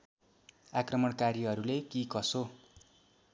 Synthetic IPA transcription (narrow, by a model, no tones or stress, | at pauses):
akrʌmʌɽkaɾiɦʌɾulekikʌso